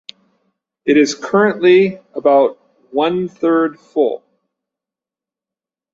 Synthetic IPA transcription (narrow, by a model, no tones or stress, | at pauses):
ɨɾɨz̥kʰɜ˞ɨ̃nʔliəbaʊt̚ | wʌ̃nθɜ˞d̥fʊ̰lˠ